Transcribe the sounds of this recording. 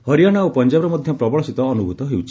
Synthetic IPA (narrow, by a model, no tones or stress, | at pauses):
hɔɾijaɽ̃aowpɔnd͡ʒabɾɔmɔd̪ʱjɔpɾɔbɔɭɔsit̪ɔːnubʱut̪ɔɦewt͡ʃʰi̥